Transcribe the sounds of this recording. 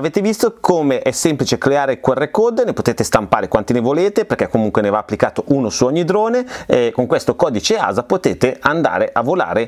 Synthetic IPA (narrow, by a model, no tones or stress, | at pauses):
aveːt̪evist̪okʰoːmeʔɛsːɛmplit͡ʃekleaːɾekwɛrːekod̪nepot̪eːt̪est̪ampaːɾekwant̪inevoleːt̪eperkɛkːomuŋkwenevaːpːlikaːt̪oʔuːnosuɔɲːid̪ɾoːneɛkoŋkwest̪okɔːd̪it͡ʃea̰ːzapot̪eːt̪eand̪a̰ːɾeʔavːola̰ːɾe